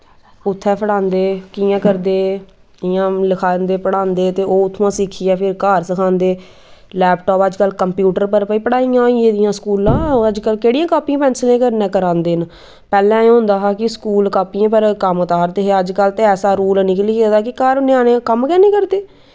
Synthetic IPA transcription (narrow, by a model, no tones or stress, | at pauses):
ʊt̪ʰːɛːpʰəɽãːnd̪eːkiːjãːkəɾd̪eː | ɪjãːləkʰaːnd̪eːpəɽaːnd̪eːt̪eːʔoːʊt̪ʰːãːsɪkʰiːɛːpʰɪɾkaːɾsəkʰãːnd̪eː | lɛːpʈɔːpəd͡ʒkəlkəmpjuːʈəɾpəɾpəiːpəɽaːiːãːiẽːd̪ɪjãːskuːlãːəd͡ʒkəlkeːɽijãːkaːpiãːpɛ̃ːnslẽːkəɾnɛ̃ːkəɾãːnd̪eːn | pɛːlɛ̃ːẽɦʊ̃nd̪aːɦaːkɪskuːlkaːpiãːpəɾkəmət̪aːɾd̪eːɦeəd͡ʒkəlt̪eːɛːsaːɾuːlnɪkəliːkːd̪aːkɪkaːɾnɪaːnẽːkəmkɛːneːkəɾd̪eː